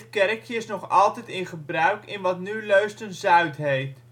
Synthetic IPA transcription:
kɛrkʰjəsnɔχɑ̰lˠtɛjtɪnχəbrœɥkɪnʋɑtnyløɥstənzœɥtɦejft

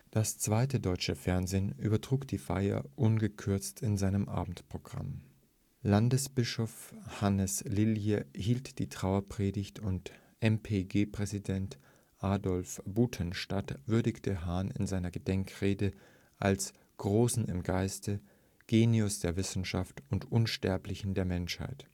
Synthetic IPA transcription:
d̥ast͡sv̥aɪtədɔʏt͡ʃəfɛɐnzeːny̰ːbɐtʁ̥uːkd̥iːfa̰ɪɐ̰ʔʊnɡəkʰʏɐt͡stʰɪnzaɪnəmʔa̰ːbm̩tpʁ̥oɡʁa̰m | landəsb̥ɪʃofhanəslɪljəhiːltd̥iːtʁ̥aʊɐpʁ̥eːdɪçtʰʊnt | ʔɛmpʰeɡeːpʁ̥ɛzidɛnt | ʔaːdɔlfb̥uːtʰənʃtatv̥ʏɐdɪçtʰəɦaːnɪ̰nzaɪnɐɡədɛŋkʁeːdə | ʔals | ɡ̥ʁoːsn̩ɪmɡaɪstə | ɡ̥eːniʊsd̥eːɐvɪsn̩ʃaftʊntʔʊnʃtɛɐplɪçn̩deːɐmɛnʃha̰ɪt

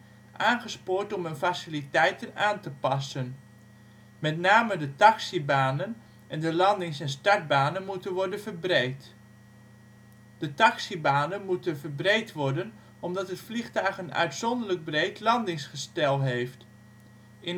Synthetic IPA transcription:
ʔaːnχəspʊːɹtɔmənfasilitɛjtənaːntəpɑsən | mɛtnaːmədətɑksibaːnən | ʔɛndəlɑndɪŋsɛnstɑɹd̚baːnənmutənʋɔɹdənvəɹbrejt | d̥ətɑksibaːnənmutənvəɹbrejtʋɔɹdən | ɔmdɑtɦətfliχtœɥχənœ̰ɥtsɔndərləɡ̚brejtlɑndɪŋsχəstɛlˠɦejft | ɪn

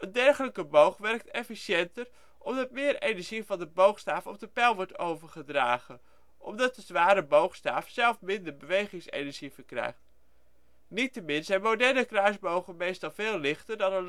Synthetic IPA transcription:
əndɛɹχələkəbowχʋɛɹk̚tɛfiʃɛntəɹ | ʔɔmdɑt̚mɪːɹejnɛɹʒivɑndəbowχstaːfəɔ̰p̚dəpɛlˠʋɔɹtowvəɹχədra̰ːχə | ʔɔ̰mdɑt̚dəzʋaːɾəbowχsta̰ːfz̥ɛlˠfmɪndəɹbəʋejχɪŋsḛjnɛɹʒivəɹkrɛ̰jχt | nitəmɪnzɛjnmowdɛɹnəkrajzbowχənmejstɑlˠvɪːlˠlɪχtəɹdɑnə

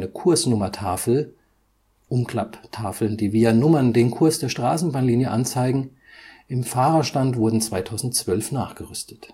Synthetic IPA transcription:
nəkʰʊɐsnʊmɐtʰaːfl̩ | ʔʊmkl̥aptʰaːfl̩ndiːviːɐnʊmɐndeːnkʰʊɐsd̥eːɐʃtʁ̥aːsn̩baːnliːnjəʔant͡saɪɡŋ̩ | ʔɪmfaːʁɐʃtantv̥ʊɐdn̩t͡sv̥aɪtʰaʊzn̩t̚t͡sv̥œlfnaːχɡ̥əʁʏstʰə̥t

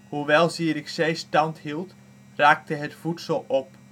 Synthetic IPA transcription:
huʋɛlˠziəɾɪksejstɑnthilˠt | raːk̚təɦətfutsəlˠɔp̚

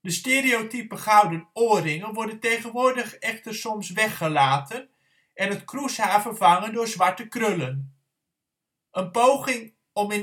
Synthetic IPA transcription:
dəsteːɾiowtypəχɑwdənoːrɪŋənʋɔɹdəntejχənʋʊːdəχɛχtəɹsɔmsʋɛχəlaːtən | ʔɛnɦətkrushaːfəvɑŋəndʊːɹzʋɑɹtəkrɵlən | ənpowχɪŋ | ɔmɪ

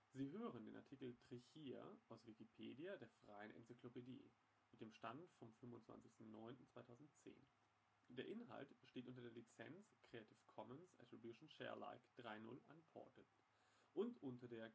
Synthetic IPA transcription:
ziːɦøːʁəndeːnʔaɐtʰikl̩tʁ̥içiːa̰ʔaʊsv̥ikipʰeːdiadeːɐfʁ̥aɪənʔɛ̰nt͡siklopedḭː | mɪt̚d̥eːmʃtantfɔmfʏnvʊntt͡sv̥a̰nt͡sɪçstn̩nɔʏntn̩t͡sv̥aɪtʰaʊzn̩tt͡sḛːn | d̥eːɐʔɪnɦa̰ltb̥əʃteːtʔʊnt̬ɐdeɐlit͡sɛ̰nt͡skʁ̥eːatʰifkʰɔmənsɛ̰tʁ̥ibjuʃn̩ʃɛ̰ːɐla̰ɪkd̥ʁaɪnʊ̰lʔa̰npʰɔ̰ɐtə | ʔʊntʔʊntɐdeːɐ

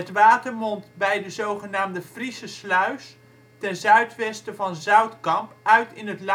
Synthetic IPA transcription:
ɦətʋaːtəɹmɔntbɛjdəzowχənaːmdəfrisəslœɥs | tɛnzœɥtʋɛstəvɑnzœɥtkɑmpʔœɥtɪnɦətl

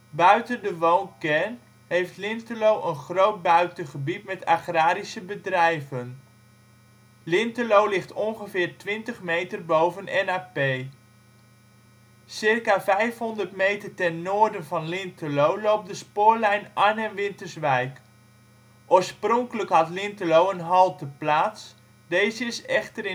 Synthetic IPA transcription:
bœɥtəndəʋoːnkɛrn | hejftlɪntəlowʔənχrowt̚bœɥtəχəbitmɛtaχraːɾisəbədrɛjvən | lɪntəlowlɪχtɔnχəfɪːrtʋɪntəχmejtərbowvənɛnaːpej | sɪrkavɛjfɦɔndərtmejtərtɛnːoːərdənvɑnlɪntəlowlowp̚dəspʊːɹlɛjnanɛnʋɪntərsʋɛjk | ʔoːɹsproŋkələkɦɑtlɪntəlowənɦɔlˠtəplaːs | d̥ejzəɪsɛχtərɪ

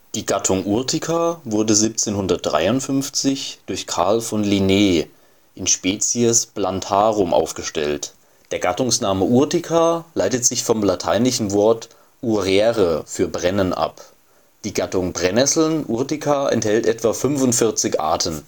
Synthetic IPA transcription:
d̥iːɡatʰʊŋʔuɐtʰɪkʰavʊɐdəziːp̚t͡seːnhʊndɐt̚d̥ʁa̰ɪʊntfʏnft͡sɪçd̥ʊɐçkʰaɐlfɔnlineː | ʔɪnʃpɛːt͡siəsplantʰaːʁʊmʔa̰ʊfɡ̥əʃtɛ̰lt | d̥eːɐɡatʊŋsnaːməʔuɐtikʰalaɪtətz̥ɪçfɔmlatʰaɪnlɪçn̩vɔɐt | ʔuʁɛːʁəfyːɐbʁɛnənʔa̰p | d̥iːɡatʊŋbʁɛnɛsl̩nʔuɐtɪkʰaʔɛ̰nthɛltʔɛtv̥afʏnvʊntfɪɐt͡sɪçʔa̰ːtʰən

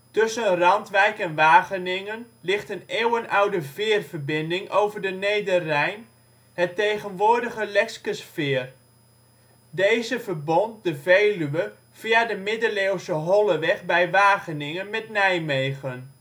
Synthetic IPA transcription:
tɵsənrɑntʋɛjkɛnʋaːɣənɪŋən | lɪχtəneːwənawdəvɪːərv̥ərbɪndɪŋʔowvərdənejdərːɛjn | hətːejɣənʋʊːrdəɣəlɛkskəsfɪːər | dejzəvərbɔnt̚dəvejlyə | v̥iadəmɪdəleːwsəɦɔləʋɛχbɛjʋaːχənɪŋənmɛtnɛjmejχən

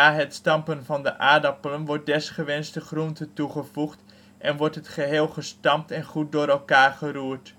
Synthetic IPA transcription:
aːɦətstɑmpənvɑndəʔaːdɑpələnʋɔɹt̚dɛsχəʋɛnstəχruntətuχəv̥uχt | ʔɛnʋɔɹtɦətχəɦɪːlˠχəstɑm̚tɛnχut̚dʊːɾɛlˠkaːɹχəruːt

